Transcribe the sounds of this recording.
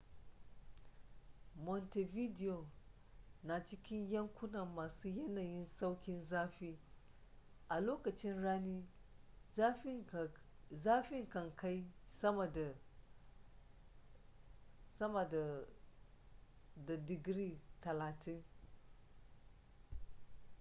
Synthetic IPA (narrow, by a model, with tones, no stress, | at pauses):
mɔ˨nte˨vi˦di˨o˨ | na˨t͡ʃɪ˦kʲɪ˦ɲjɐ˦ŋkʷʊ˦nɐ˨mːaː˨su˦jɐ˦naː˨jɪ˦nsa˦wkʲɪ˦nzaː˦ɸiː˦ | ʔa˨loː˦kɐ˨t͡ʃɪ˦nɽaː˦niː˦ | zaː˦ɸɪ˦ŋkɐ˨ŋka˦jsɐ˦ma˨da˨ | sɐ˦mɐ˨da˨ | da˨dɪ˨ɡɾi˦tɐ˨laː˨tʰɪ˦n